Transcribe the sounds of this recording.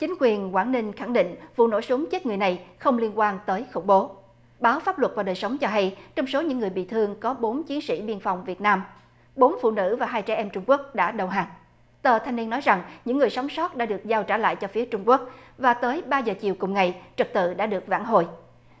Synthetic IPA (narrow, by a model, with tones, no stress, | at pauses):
t͡ɕï˨˦ŋ̟kwi˨˩ənkwaː˧˩nnï˧ŋ̟xa˧˩ŋɗḭ˧˨ŋ̟vṵ˧˨no̰˧˥sʊ˨˦ŋ͡mt͡ɕə˦˥t̚ŋɨ˨˩əjna˨˩jxə˧wŋ͡mli˧ənkwaː˧nt̪əː˨˦jxʊ̰˧˩ŋ͡mɓo˨˦ | ɓaː˨˦wfaː˦˥p̚lwə˨˩t̚vaː˨˩ɗəː˨˩jsə˨˦wŋ͡mt͡ɕɔ˧ɦa˧jt͡ɕɔ˧wŋ͡mso˨˦ɲɨ̰˧˥ŋːɨ˨˩əjɓḭ˧˨t̪ʰɨ˧əŋkɔ˨˦ɓo˨˦nt͡ɕi˨˦nsḭ˧˥ɓi˧ənfa˨˩wŋ͡mvi˨˩ət̚naː˧m | ɓo˨˦nfṵ˧˨nɨ̰˧˥vaː˨˩ɦaː˧jt͡ɕɛ˧˩ʔɛ˧mt͡ɕʊ˧ŋ͡mku˦˥ək̚ɗa̰ː˧˥ɗə˨˩wɦaː˨˩ŋ | t̪əː˨˩t̪ʰa˧jŋmi˧nɔ˨˦jza˨˩ŋɲɨ̰˧˥ŋːɨ˨˩əjsa˨˦wŋ͡msɔ˦˥t̚ɗa̰ː˧˥ɗɨ˨˩ək̚zaː˧wt͡ɕaː˧˩la̰ː˧˨jt͡ɕɔ˧fi˨˦ət͡ɕʊ˧ŋ͡mku˦˥ək̚vaː˨˩t̪əː˨˦jɓaː˧zəː˨˩t͡ɕi˨˩əwkʊ˨˩ŋ͡mŋa˨˩jt͡ɕɨ˨˩k̚t̪ɨ̰˧˨ɗa̰ː˧˥ɗɨ˨˩ək̚va̰ː˧˩ŋɦo̰˧˨j